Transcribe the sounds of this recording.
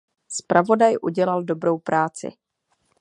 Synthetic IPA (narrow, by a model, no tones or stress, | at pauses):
spɾavo̞dajʔuɟɛlaldo̞bɾo̞wpɾaːt͡sɪ̰